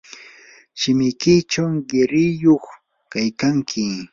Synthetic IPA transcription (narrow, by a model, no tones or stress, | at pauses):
ʃɪmɪjkɪt͡ʃawɢɪɾɪjoχ | kajkaŋkʰɪ